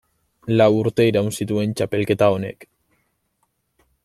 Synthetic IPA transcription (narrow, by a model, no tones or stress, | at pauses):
lawuɾt̪e̞iɾawnsit̪ue̞nt͡ʃape̞lke̞t̪ao̞ne̞̰k